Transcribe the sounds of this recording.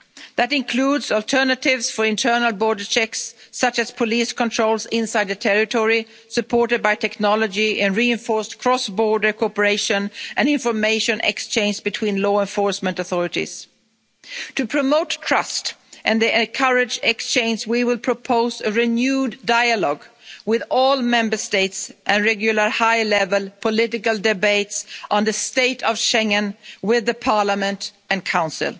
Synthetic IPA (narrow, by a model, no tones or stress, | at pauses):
ðɨɾɪ̃nkʰl̥udzɔlˠtʰɜ˞nətɪvz̥fə˞ɪ̃ntʰɜ˞nl̩ˠbɔɹdə˞t͡ʃʰɛksːʌt͡ʃɨz̥pʰɔliskə̃ntʰɹ̥oʊlˠzɪ̃nsaɪd̪̚ðɨtʰɛɹɪtʰɔɹi | sɨpʰɔɹɾɨd̚baɪtʰɛknɑlˠəd͡ʒiʔɨ̃nɹiɨ̃nfɔɹstkʰɹ̥ɔsbɔɹdə˞kʰɔpə˞eɪʃə̃nʔɨ̃nɪ̃ɱfə˞meɪʃɨ̃nʔɛ̰kst͡ʃʰẽɪ̃nd͡ʒbɨtʰw̥ĩnlɔɛ̃ɱfɔɹsmə̃ntəθɔɹɨɾḭz̥ | tʰɨpʰɹ̥ɨmoʊtʰɹ̥ʌstʔɨ̃nðiʔɛ̃nkʰʌɹɪd͡ʒɛkst͡ʃʰẽɪ̃nzwiwɪlˠpʰɹ̥əpʰoʊzɨɹɪnjʉdːaɪɨlɔɡwɪðɔlˠmɛ̃mbə˞steɪtsʔɨ̃nɹɛɡjʊl̩ˠə˞haɪlɛvəlˠpʰəlɪɾɨkəl̩ˠdɪbeɪtsʔnðɨsteɪɾʌv̥ʃɛ̃ŋɨ̃nwɪðɨpʰɑɹləmɨ̃nt | ɨ̃nkʰãʊ̃nsɨ̰lˠ